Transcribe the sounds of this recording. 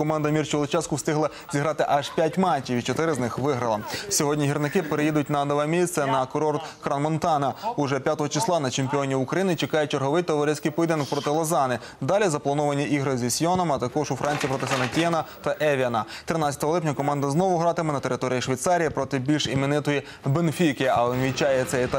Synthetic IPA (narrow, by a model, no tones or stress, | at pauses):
kɔmɑnd̪ɐmʲirt͡ʃʊɔlˠɪt͡ʃɑskʊwst̪ɪɦlˠɐ | zʲiɦɾɑt̪ɪʔɑʒpʲjatʲmɑt͡ʃʲːiʋʲit͡ʃɔt̪ɪɾɪznɪxʋɪɦɾɐlˠɐsʲɔɦɔdʲnʲiɦirnɪkɪpeɾejid̪ʊtʲnɐnɔʋɛmʲisʲt̪sɛnɐkɔɾɔrt̪kɾɐnmɔnt̪ɑnɐʊʒɛpʲjat̪ɔɦɔt͡ʃɪslˠɑnɐt͡ʃemʲpʲiɔnʲiʊkɾɐjinɪt͡ʃekɑjʊt͡ʃerɦɔʋɪjt̪ɔʋɐɾɛsʲkɪjpɔid̪enɔk̚pɾɔt̪ɪlˠɔzɑnɪ | d̪ɑlʲizɐplˠɐnɔʋɐnʲiʔiɦɾɪzʲisʲjɔnɔmɐt̪ɐkɔʒʊfɾʔɑnʲt͡sʲijipɾɔt̪ɪsɐnɐtʲiɛnɐt̪ɐʔɛʋʲiɐnɐt̪ɾɪnɑt͡sʲɐ̥t̪ɔɦɔlˠɪpʲnʲɐkɔmɑnd̪ɐznɔʋʊɦɾɑt̪ɪmenɐt̪eɾɪt̪ɔɾʲijiʃʋʲijt̪sɑɾʲijipɾɔt̪ɪbʲilʲʃimʲɪnɪt̪ɔji | benfʲikɪɐ̰ɛnʋʲit͡ʃɑjɛt̪sɛt̪